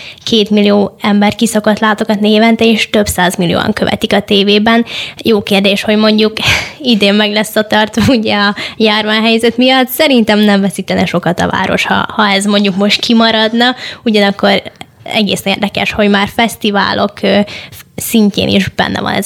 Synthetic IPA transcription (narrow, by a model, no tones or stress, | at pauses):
kʰeːt̪milijoːɛmbɛrkisokot̪laːt̪o̞kɒt̪neːvɛnt̪ɛeːʃt̪ø̞bsaːzmilijo̰ːɒ̰ŋkøvɛ̰t̪ikɒt̪eːveːbɛnjoːkeːrd̪eːʃho̞ɟmo̞ɲɟukid̪eːmːɛɡlɛsːɒt̪ɒrt̪ɒuɟɛɒjaːrvaːnɦɛjzɛt̪mijɒt̪sɛɾint̪ɛmnɛɱvɛsiːt̪ɛnɛʃo̞kɒt̪ɒ̰va̰ːɾo̞̰ʃhɒ̰hɒɛzmo̞ɲɟukmo̞ʃt̪kʰimɒɾɒd̪nɒuɟɒnɒkːo̞r | ɛ̰ɡḛːsɛneːrd̪ɛkɛʃho̞ɟmaːrfɛst̪iva̰ːlʔo̞kː | siɲcḛːnḭʒbɛ̰nːʔɛ̰vɒ̰nɛ̰z